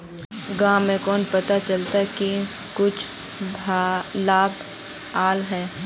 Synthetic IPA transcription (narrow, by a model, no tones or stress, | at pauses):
ɡãːmẽkɔːnpɐt̪at͡ʃɐlt̪aɦɛki | kʊt͡ʃʰ | laːb | aːlɦɛː